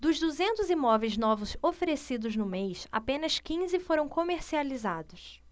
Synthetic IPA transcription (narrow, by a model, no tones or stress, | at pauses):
d̪ʊzd̪uzẽnt̪ʊzimɔvejznɔvʊzofeɾesid̪ʊznʊmejsa̰pẽnɐskĩzɪfoɾɐ̃w̃komeɾsializad̪ʊs